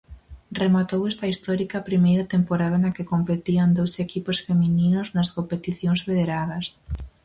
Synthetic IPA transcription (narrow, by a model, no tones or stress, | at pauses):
remat̪owest̪ɐist̪ɔɾikaːpɾimejɾɐt̪empoɾaðɐnɐkekompet̪iɐnd̪owsekiposfemininoznɐskompet̪iθjoŋzβeðeɾaðɐs